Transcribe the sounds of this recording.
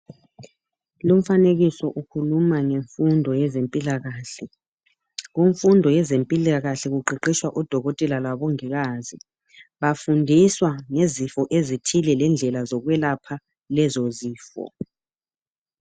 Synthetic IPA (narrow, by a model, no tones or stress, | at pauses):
lum̩faneɣisɔʔukʰulumaŋeɱfundʱɔjɛzempʼilaɣaːɬɛ | ɣuɱfundʱɔjɛzempʼilaɣaɬɛɣuǃiǃiʃwaʔud̥ʱɔɣɔtʼɛlalwaβɔŋiɣazi | βafundʱiswaŋezifɔʔezitʰilɛlɛnd͡ɮʱɛlazɔɣwɛlapʰa | lɛzɔziːfɔ̰